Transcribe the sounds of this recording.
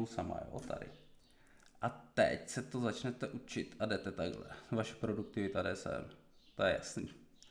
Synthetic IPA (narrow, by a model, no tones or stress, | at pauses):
wsama̰jo̰ːt̪ʰa̰dɪ̰ | ʔat̪ɛ̰csɛt̪ozat͡ʃnɛt̪ɛʔut͡ʃɪt̪ʔadɛt̪ɛt̪aɡlɛ̰vaʃɛ̥pɾoduk̚t̪ɪvɪt̪adɛsɛ̰m | t̪ojɛja̰sniː